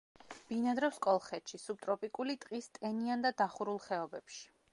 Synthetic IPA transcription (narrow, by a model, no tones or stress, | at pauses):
b̥inad̪ɾɔwskʼɔlˠχɛt̪ʃisub̚t̪ʼɾɔpʼikʼulit̪ʼqʼist̪ʼɛniand̪ad̪aχuɾulˠχɛɔbɛpʃi̥